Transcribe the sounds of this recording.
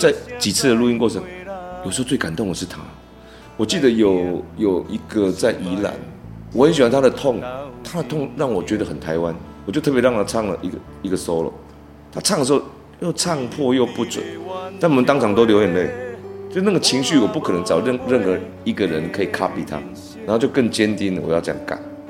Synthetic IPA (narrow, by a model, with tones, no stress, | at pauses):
t͡sa˥˩ɪt͡ɕi˨˩t͡s̩̪ʰ˥˩ə˩lu˥˧i˥nkwɔ˥˩t͡sʰə˧˦ŋjo˨˩ʂ̩˧˥˧t͡swe˥˩ɪka˨˩nt̪ʊ˥˩ŋd̪ə˨˩ʂ̬ɻ̩˥˩t̪ʰa̰˦ | wɔ˨˩t͡ɕi˥˩d̪ə˩jo˨˩ʊjo˨˩ʊi˧˥ɡə˨t͡sa˥˩ɪʔi˧˥la̰˨˩˦nwɔ˨˩xə˧˦nɕi˨wa˦nt̪ʰa˥d̪ə˨t̪ʰʊ˥˨ŋt̪ʰa˥d̪ə˨t̪ʰʊ˥˩˧ŋɻɑ˥˩ŋwɔ˨˩t͡ɕɥɛ˧˥d̪ə˨xə˨˩nt̪ʰa˧˥ɪwa˦nwɔ˨˩t͡ɕjo˥˧˥pɻɑ˥˨ŋt̪ʰa˥t͡sʰɑ˥˩ŋlə̰˨ʔi˧ɡə˨ | i˧˥ɡə˨so˦˥ʊlə̰˩ | t̪ʰa˦˥t͡sʰɑ˥˩ŋə˩ʂ̩˧˦xo˥˩ʊ | jo˥˩ʊt͡sʰɑ˥˧ŋpʰwɔ˥˧jo˥˧ʊpu˥˩t͡swḛ˨˩˦t̪a˥nwɔ˨˩ə˦nt̪ɑ˥ŋt͡sʰɑ˧˥ŋt̪o˥ʊljo˧˥ʊjɛ˨˩nle˥˩ɪt͡ɕjʂ̩˥na˥˩ɡə˩t͡ɕʰi˧˥ŋɕy˥˨wɔ˨˩pu˥˩kʰɤ˨nə˧˥ŋt͡sɑ˨˩ʊ˥˩ɻə˥˩nxɤ˧˥ | i˧˥ɡə˨ɻə˧˦nkʰɤ˧˥i˨˩kʰa˥pi˨˩t̪ʰa̰˦ | na˨˥ho˥˧t͡ɕo˥˧ʊkə˥˩ŋt͡ɕjɛ˦nt̪i˦nə˨wɔ̰˨˩jɑ˥˧ʊt͡ɕəja̰˨˩ŋka̰˨˩˦n